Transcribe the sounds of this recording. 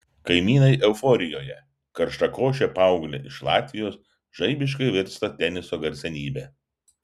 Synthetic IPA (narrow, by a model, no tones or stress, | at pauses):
kɐɪmʲiːnɐɪʔɛʊfɔɾʲɪjoːjɛ | kɐɾʃt̪ɐkoːʃ̬ʲɛpɑˑʊɡlʲeʔɪʃlˠɑ̰ːt̪ʲʋʲɪjoːs | ʒɐɪbʲɪʃ̬kɐɪʋʲɪɾst̪ɐt̪ʲɛnʲɪsoːɡɐɾʲsʲɛnʲiːbʲɛː